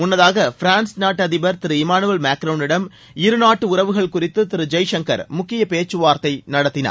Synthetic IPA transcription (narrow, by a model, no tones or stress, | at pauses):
mʊnːɐðaːɣɐfɪɾaːnsnaːʈːɐðɪbɐɾt̪ɪɾɯɪmaːnɯʋɐlmaːkɾɐʋnɪɽɐm | ɪɾɯnaːʈːɯʊɾɐʋɯɣɐɭkʊrɪt̪ːɯt̪ɪɾɯd͡ʒɐjʂɐŋkɐ̰ɾmʊkːɪjɐpeːt͡ʃːɯʋaːɾt̪ɐɪnɐɽɐt̪ːɪnɐ̰ɾ